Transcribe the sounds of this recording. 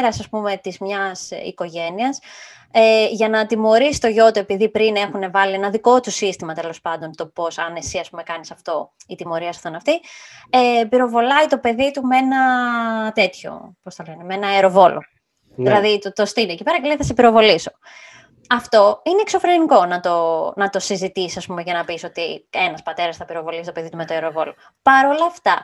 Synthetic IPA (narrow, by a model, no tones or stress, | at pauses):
ɾɐsɐspume̞t̪izmɲɐsḭko̞ʝe̞niɐs | eʝɐnɐt̪imo̞ɾisi̥t̪o̞ʝo̞t̪ue̞piðipɾine̞xune̞vɐlie̞nɐðiko̞t̪usist̪imɐt̪e̞lo̞spɐnd̪o̞nt̪o̞po̞sɐne̞siɐspume̞kɐnisɐft̪o̞it̪imo̞ɾiɐst̪ɐnɐft̪iepiɾo̞vo̞lɐit̪o̞pe̞ðit̪umee̞nɐt̪e̞t̪ço̞̰posθɐle̞nemeenɐɐɾo̞vo̞lo̰ | ðilɐðit̪t̪o̞st̪iniecipe̞ɾɐcelejθɐsepiɾo̞vo̞liso̞̥ | ɐft̪o̞ineːkso̞fɾe̞niko̞nɐt̪o̞nɐt̪o̞sizit̪isisɐspumeʝɐnɐpiso̞t̪ie̞nɐspɐt̪e̞ɾɐsθɐpiɾo̞vo̞lisit̪ope̞ðit̪umet̪oeɾo̞vo̞lo̞ | pɐɾo̞lɐft̪ɐ